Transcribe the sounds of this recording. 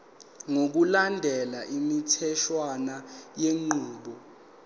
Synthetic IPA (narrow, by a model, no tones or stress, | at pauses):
ŋok̬ulandʱɛlaʔimitʰɛʃwanajeŋ͡ǃuːɓɔ